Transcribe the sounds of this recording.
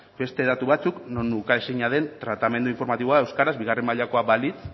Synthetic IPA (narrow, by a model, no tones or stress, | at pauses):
be̞st̪e̞ðat̪uβat͡sukno̞nːukaesejɲað̞e̞nt̪ɾat̪ame̞nd̪uiɱfo̞ɾmat̪iβo̞ae̞wskaɾazbiɣ̞aremaʎako̞abalit͡s